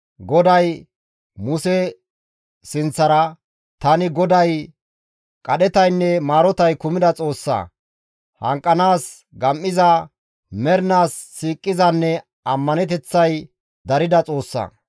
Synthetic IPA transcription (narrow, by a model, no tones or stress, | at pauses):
ɡɔd̪ɐj | mʊsɛ | sɪnt͡sːɐɾɐ | t̪ɐnɪɡɔd̪ɐj | kʼɐɗɛt̪ɐjnːɛmaːɾɔt̪ɐjkʊmɪd̪ɐt͡sʼo̞ːsːɐ̰ | hɐ̰ŋkʼːɐnaːs | ɡɐmʔːɪzɐ | mɛɾnaːsːiːkʼːɪzɐnːɛ | ɐmːɐnɛt̪ɛt͡sːɐj | d̪ɐɾɪd̪ɐt͡sʼo̞ːsːɐ̰ː